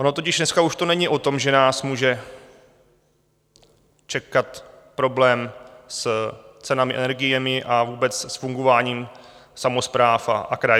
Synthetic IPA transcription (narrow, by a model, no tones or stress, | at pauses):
ʔono̞t̪o̞cɪʃdnɛskauʃt̪o̞nɛɲɪʔo̞t̪o̞mʒɛnaːsmuːʒɛ | t͡ʃɛkat̪ | pɾo̞blɛːmst͡sɛnamɪɛ̰nɛɾɡɪjɛmɪʔavuːbɛt͡ssfuŋɡo̞vaːɲiːmsamo̞spɾaːfa̰ʔakɾaj